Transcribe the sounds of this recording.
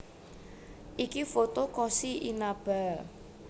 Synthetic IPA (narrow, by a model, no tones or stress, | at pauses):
ʔikifot̪okɔsiʔinab̥a